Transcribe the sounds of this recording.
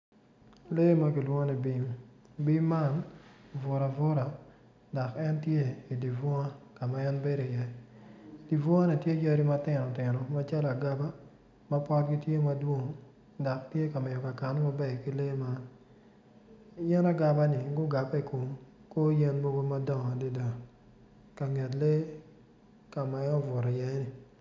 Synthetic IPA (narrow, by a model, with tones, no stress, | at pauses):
le˦ma˦ki˨lwɔ˦o˦nɛ˨bi˦mbi˦mːa˦˨nvʊ˨ɾa˨vʊ˦ɾa˨ | da˨kɛ˦ntje˦i˨di˨vɔ˦a˦ka˨ma˨ɛ˦nbe˦ɾo˨i˨jɛ˦ | di˨vɔ˦a˦ni˨tje˦jɐ˦ɾi˦ma˦tɪ˨nɔ˨tɪ˨nɔ˨ma˦t͡ʃa˦la˨ɡa˦ba˦ | ma˦pɔ˦tɡi˦tje˦mɐ˦dwo˦ŋ | da˨k̚tje˦ka˨mɛ˨jo˨ka˨ka˨n˦ma˦bɛ˨ki˦le˦ma˦ | jɛ˦na˦ɡa˨ba˦nɪ˨ɡʊ˦ɡa˨pɛ˦˨ko˨m | ko˦je˦nmo˦ɡo˦ma˦dɔ˦˨ŋɔ˨di˦da˨ | ka˨ŋɛ˨t̬le˦ | ka˨ma˨ɛ˦ɔ˦vʊ˨ɾa˨jɛ˦ni˨